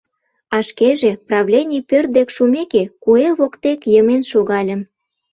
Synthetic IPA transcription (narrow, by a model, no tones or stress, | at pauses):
ɑʃkeʒĕprɑβlʲenʲijpørt̪̚d̪ekʃumekekueβokt̪ekjəmenʃoɣɑlʲə̆m